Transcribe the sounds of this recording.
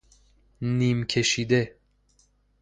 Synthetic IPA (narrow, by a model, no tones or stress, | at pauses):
niːmkʰe̞ʃiːd̪e